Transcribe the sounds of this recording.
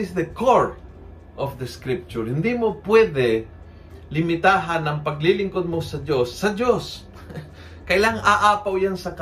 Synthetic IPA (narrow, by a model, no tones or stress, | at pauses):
ɪsd̪ɐkoɹ | ʔɔfd̪əskɾɪp̚t͡ʃʊɹhɪnd̪imopwɛd̪ɛ | lɪmɪt̪aːɦanɐŋpɐɡlilɪŋkod̪̚mosɐd̪josːɐd̪jos | kɐjlaŋaʔaːpawjansɐk